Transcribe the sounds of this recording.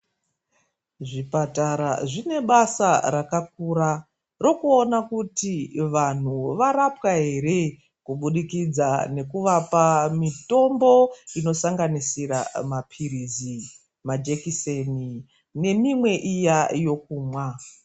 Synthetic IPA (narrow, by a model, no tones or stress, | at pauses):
ʐipataɾaʐine̞ɓasarakak̚uɾa | ro̞kuonakutiʋan̤uʋarapwaɦe̞ɾe̞ | kuɓuɗikid͡zane̞kuʋapamito̞mbo̞ino̞saŋɡanisiɾa̰mapʰirizi | mad͡ʒekiseni | ne̞mimwe̞ʔijajo̞kuːmwa